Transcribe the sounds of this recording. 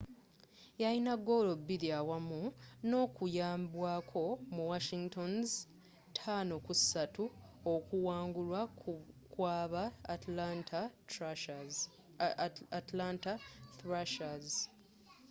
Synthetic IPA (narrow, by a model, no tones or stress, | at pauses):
jajinaɡo̞lo̞bːiɾiawamuno̞ːkujaːmbwaːkʰo̞muwaʃiŋɡtonz | tʰaːnokusatuokuwaːŋɡulwakwaːβa | tlantaθɾaʃaz